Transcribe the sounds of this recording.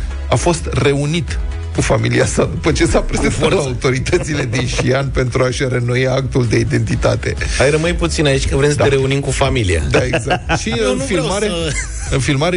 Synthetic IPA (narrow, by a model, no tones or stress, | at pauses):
afo̞st̪re̞unit̪ | kufamiliasad̪upət͡ʃe̞sapɾezenat̪laaut̪o̞ɾit̪ət̪sile̞d̪inʃʃianpe̞nt̪ɾuaʃrenojak̚t̪uld̪e̞id̪e̞nt̪it̪at̪e̞̰ajɾəmɨjput̪sinait͡ʃʲkəvɾemsəeɾe̞unimkufamilia̰d̪aeɡzak̚t̪ʃiɨnfilmaɾe | ɨnfilmaɾe